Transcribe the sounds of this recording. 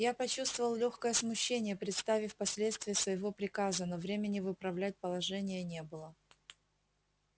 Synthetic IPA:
japɐt͡ɕust̪vəvəlˠlʲoxkəjəsmʊɕːenʲɪjəpɾʲɪt̪st̪avʲɪfʲpɐsʲlʲet̪st̪vʲɪjəsvəjɪvo̞pɾʲɪkazənovɾʲemʲɪnʲɪvɨpɾɐvlʲæt̚ʲpəlˠɐʐɛnʲɪjənʲe̞bɨlˠə

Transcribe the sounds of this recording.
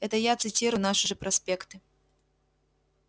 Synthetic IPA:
ɛt̪ɐjat̪sɨt͡sʲiɾunaʂɨʐɛpɾɐsʲpʲɛkt̪ɨ

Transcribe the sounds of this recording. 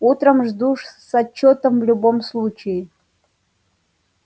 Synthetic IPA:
ut̪ɾəmʐd̪uʂsɐt͡ɕːot̪əmvlʲubomslˠut͡ɕɪjɪ

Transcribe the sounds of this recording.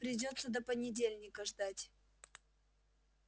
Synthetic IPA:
pɾʲɪdʲo̞t̪sːəd̪əpənʲɪdʲelʲnʲɪkəʐd̪atʲ

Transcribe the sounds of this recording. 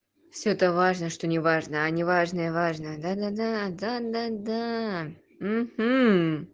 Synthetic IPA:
fsʲot̪əvaʐnəʂt̪o̞nʲɪvaʐnəɐnʲɪvaʐnəjəvaʐnəd̪ad̪ad̪ad̪ad̪ad̪a | m̩hm̩

